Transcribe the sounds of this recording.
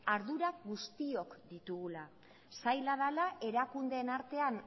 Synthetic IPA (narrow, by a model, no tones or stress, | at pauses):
aɾðuɾaɣust̪io̞kd̪it̪uɣula | sajlaðalaʔe̞ɾakund̪e̞ːnaɾt̪e̞an